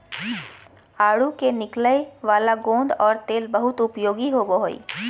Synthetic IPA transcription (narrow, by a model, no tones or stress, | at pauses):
aːɽukenɪkləeʋaːlaɡõːnd̪ɔːɾt̪eːlbɐɦʊt̪ʊpjoːɡiɦoːboɦoḭː